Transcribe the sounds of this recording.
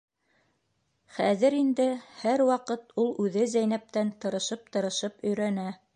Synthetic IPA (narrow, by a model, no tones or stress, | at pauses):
χæðɘɾind̪ɘhæɾwɑqɤt̪ulˠʉðɘzæjnæp̚t̪ænt̪ɤ̆ɾɤ̆ʃɤp̚t̪ɤ̆ɾɤ̆ʃɤpɵ̆jɾænæ